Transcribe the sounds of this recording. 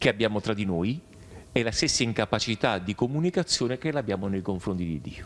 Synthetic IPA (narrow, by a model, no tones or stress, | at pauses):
k̟eabːjaːmot̪ɾad̪ːinoːj | ɛlast̪esːaiŋkapat͡ʃit̪ad̪ikomunikat̪sːjoːnekelabːjaːmonejkoɱfɾont̪id̪ḭd̪ːḭːo